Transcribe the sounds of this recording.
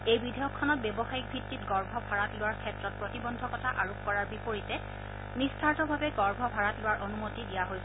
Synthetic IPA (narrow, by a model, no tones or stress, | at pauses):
ejbidʱɛjɔkʰːɔnɔt̚bɛbɔxajik̚bʱɹitːitɡɔɹbʱɔbʱaɹatlʊwaɹkʰɛtɹɔt̚pɹotibɔndʱɔkɔtʰaʔaɹokkɔɹaɹbipoɹitɛ | nistʰaɹtɔbʱabɛɡɔɹbʱɔbʱaɹatlʊwaɹʔonumotidijaɦojs